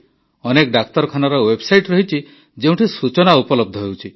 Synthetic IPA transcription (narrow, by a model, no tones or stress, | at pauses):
ɔnekɖakt̪ɔɾkʰanɔɾɔwebsajʈɾɔɦit͡ʃʰi | d͡ʒeũʈʰisut͡ʃɔnaupɔlɔb̚d̪ʱɔɦewt͡ʃʰi